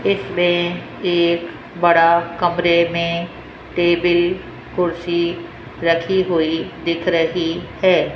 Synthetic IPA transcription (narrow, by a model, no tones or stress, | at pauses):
ɪsmẽ | eːk | bɐɽakɐmɾemẽ | ʈeːbɪl | kʊɾsi | ɾɐkʰiɦoid̪ɪkʰɾɐɦihɛː